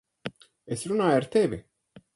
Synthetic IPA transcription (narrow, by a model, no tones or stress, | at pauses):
esɾunaːjaɾt̪evḭ